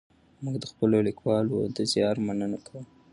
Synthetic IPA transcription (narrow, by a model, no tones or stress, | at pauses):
muɡd̪əxpəlolikwɑlod̪əzjɑɾmanənakʰɽu